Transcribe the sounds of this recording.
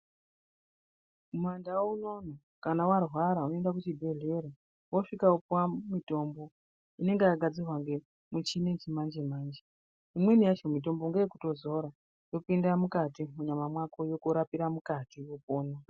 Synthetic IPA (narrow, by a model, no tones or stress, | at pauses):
mwandawuno̞no | kanawarwaɾaunoendakut͡ʃibʱe̞ɮe̞ɾe | woʂikaupwamito̞mbo̞ | ine̞ŋɡejaɡʱad͡zirwaŋɡe̞ | mut͡ʃine̞t͡ʃimand͡ʒemaːnd͡ʒe | imwe̞nijat͡ʃomito̞mboŋɡeeku̥to̞zo̞ɾa | jo̞pindamukatimuɲamamwakojokuɾapiɾamukatijopoːno